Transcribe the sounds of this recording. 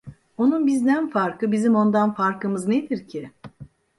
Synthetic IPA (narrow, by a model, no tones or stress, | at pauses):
o̞nunbizd̪ænfaɾkʰɯbizimo̞nd̪anfaɾkʰɯmɯzned̪iɾcʰi